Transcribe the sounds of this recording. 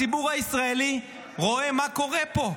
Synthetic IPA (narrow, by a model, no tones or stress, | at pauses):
iɓuɣaisraɛli | ɣɔɛmakʰɔɣɛːpɔ